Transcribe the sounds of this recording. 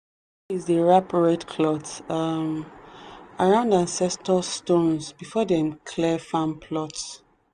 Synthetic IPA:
izðəɹapɹɛdkʰlɔtsm | aɹãʊ̃ndãnsɛstəlstõnzbifɔdɛ̃mkʰlɛfãmpʰlɔts

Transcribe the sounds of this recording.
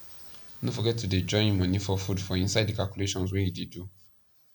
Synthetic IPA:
nõfɔɡɛtʰuded͡ʒɔ̃ɪ̃ñmãnĩfɔfudfɔĩnsaɪdikalkuleʃɔ̃ns̬wɛjidedu

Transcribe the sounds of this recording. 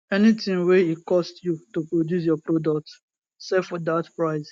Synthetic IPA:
ɛnitɪ̃ŋwɛitkɔstjutupɹodjus̬jɔpɾodɔk̚t | sɛfɔdatpɹaɪs

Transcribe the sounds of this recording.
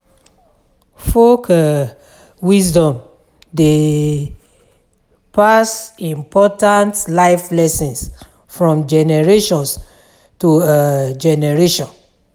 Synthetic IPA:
fok | wisdɔ̃m | de | pasĩmpʰɔtãntlaɪflɛsɔ̃ns | fɹɔ̃md͡ʒɛnɛɹeʃɔ̃ns | tud͡ʒɛnɛɹeʃɔ̃n

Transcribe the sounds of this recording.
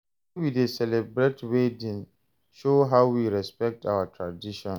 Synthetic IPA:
widesɛlɛbɹetwedĩn | ʃoɦaʊwiɹɛspɛk̚tʰawatʰɹadiʃɔ̃n

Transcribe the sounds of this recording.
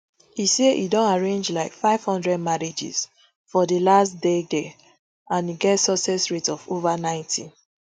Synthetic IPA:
iseʔḭdõnaɹẽnd͡ʒlaɪkfaɪv̥hɔ̃ndɹɛd̚maɹid͡ʒḭs | fɔdəlastdede | ãniɡɛtsɔsɛsɹitɔfovanãɪ̃ntʰḭ

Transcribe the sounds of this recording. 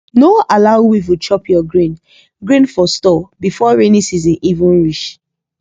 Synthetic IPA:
noalaʊwivut͡ʃɔpʰjɔɡɹĩn | ɡɹĩnfɔstɔbifɔɹenisizĩnʔivũnɹiʃ

